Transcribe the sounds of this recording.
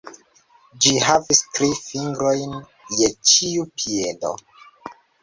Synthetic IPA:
d͡ʒiɦavistɾifiŋɡɾojn | jet͡ʃiupʰiedo̰

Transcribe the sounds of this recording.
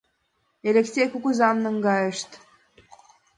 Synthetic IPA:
elʲeksʲejkukuzɑmnɤŋɡɑjəʃt̪

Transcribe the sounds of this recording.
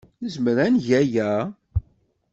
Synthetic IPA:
nəzməɾænʝæjæ

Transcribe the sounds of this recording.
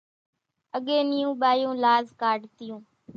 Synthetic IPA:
əɠẽːnɪjũːɓaːjũːlaːzkaːɖt̪ɪjũː

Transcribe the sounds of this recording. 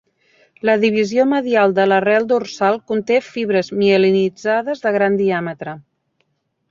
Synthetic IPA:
ləðiβ̞izioməðialˠd̪ələrɛlˠd̪ursalˠkunt̪efiβ̞ɾəzmiəlinid͡zaðəzðəɣ̞ɾand̪iamət̪ɾə

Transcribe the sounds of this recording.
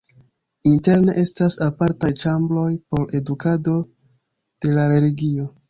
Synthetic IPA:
inte̞ɾne̞ʔe̞stasapaɾtajt͡ʃamblo̞jpo̞ɾe̞dukado̞ | d̥e̞laɾe̞liɡio̞

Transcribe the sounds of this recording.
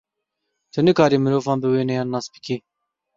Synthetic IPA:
t̪ʰɨnɨkɑːɾiːmɨɾoːvɑːnbɨweːnɛjɑːnːɑːsbɨ̥kʰiː

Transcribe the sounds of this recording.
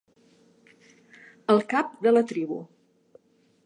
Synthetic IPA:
əlˠkap̚d̪ələt̪ɾiβṵ

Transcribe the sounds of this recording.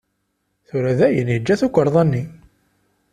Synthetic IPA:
θuɾæðæjənjəd͡ʒːæθukʷəɾˤðˤænːi

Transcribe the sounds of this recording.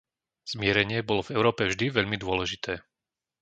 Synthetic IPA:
z̥mɪɛɾɛɲɪɛbɔlɔvɛʊɾɔːpɛvʒd̪iʋɛʎmid̪ʊɔlɛʒit̪ʰɛː

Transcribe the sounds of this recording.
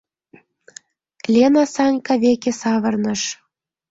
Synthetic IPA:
lʲenɑsɑnʲkɑβekesɑβɤ̆rnɤ̆ʃ

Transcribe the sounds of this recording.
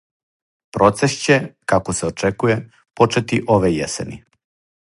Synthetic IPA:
pɾo̞t̪sest͡ɕekakoseot͡ʃekuje | po̞t͡ʃet̪iʔo̞ʋejḛsḛnḭ

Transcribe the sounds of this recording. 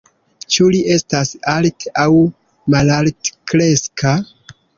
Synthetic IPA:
t͡ʃuliʔe̞stasaltaw | malaltkɾe̞ska

